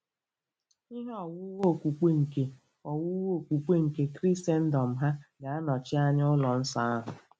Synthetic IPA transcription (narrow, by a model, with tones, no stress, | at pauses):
i˦ɦe˦ɔ˨wʊ˦wo˦˨kʷu˨k͡pe˦ŋ̩˨ke˨ | ɔ˨wʊ˦wo˦˨kʷu˨k͡pe˦ŋ̩˨ke˦kɾi˦se˦n̩˦dɔ˨m̩˨ɦa˦ɡa˨a˦nɔ˨t͡ʃɪ˦a˦ɲ˦ʊ˦lɔ˨n̩˦sa˦a˦ɦʊ˨